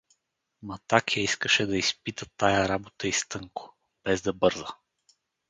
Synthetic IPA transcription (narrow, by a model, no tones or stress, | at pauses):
mɐt̪akjaiskəʃɛd̪ɐispit̪ət̪ajɐɾabot̪əist̪ɤŋko̥ | b̥ɛzd̪ɐbɤɾzə